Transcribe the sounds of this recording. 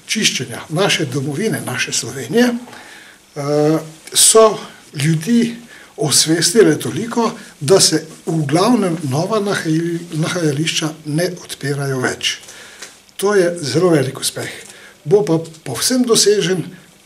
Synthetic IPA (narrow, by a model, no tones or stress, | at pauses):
t͡ʃiʃt͡ʃɛnja̰naːʃɛd̪ɔmɔʋiːnɛnaʃɛslɔʋeːnijɛ | sɔ | ljud̪i | ɔsʋest̪ilɛt̪olikɔd̪asɛuɡlawnɛmnɔːʋa | naxajaliʃt͡ʃanɛʔɔt̪peːɾajɔʋɛ̰t͡ʃ | t̪oːjɛzɛloːʋɛːliku̥spɛxbopapɔwsəmd̪ɔseːʒɛn